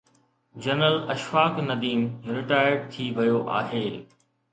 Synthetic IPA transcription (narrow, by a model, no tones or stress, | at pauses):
d͡ʑɐnəlɐʃʋaːknɐd̪iːmɾɪʈaːjəɾɖ̚t̪ʰiʋɐjoʔa̰ːɦeː